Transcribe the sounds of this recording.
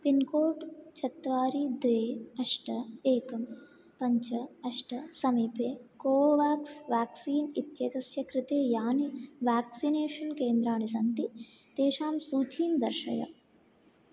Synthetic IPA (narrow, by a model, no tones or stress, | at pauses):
pinkoːʈt͡ʃʰɐt̪ːʋaːɾid̪ʋeːɐʂʈʰɐeːkɐm | pɐɲt͡ʃɐɐʂʈʰɐsɐmiːpeːkoːʋaːksʋaːksiːnit̪jɐt̪ɐsjɐkɾɪt̪eːjaːniʋaːksineːʂɐnkeːnd̪ɾaːɳisɐnt̪it̪eːʃaːmsuːt͡ʃiːmd̪ɐɾʃɐ̰jɐ̰